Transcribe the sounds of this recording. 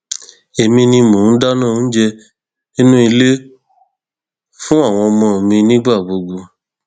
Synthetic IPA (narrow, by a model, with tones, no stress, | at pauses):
e˨mĩ˧nĩ˧mõ˨˦n̩˦da˦nã˦˨˦d͡ʒɛ˧ | nĩ˦nũ˦i˧le˦ | fũ˦a˦˨w̃ɔ̃˧mɔ̃˧˨mĩ˧nĩ˦ɡ͡ba˦˨bo˧ɡ͡bo˧